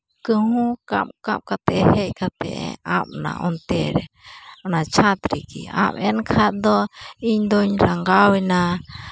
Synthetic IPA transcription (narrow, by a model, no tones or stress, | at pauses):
kɨhũkã̰mkamkat̪eheʔkat̪ḛʔamnã̰ʔont̪eɾe | nãt͡ʃʰat̪ɾikia̰menkʰad̪oiɲd̪oɲɾaŋɡawinã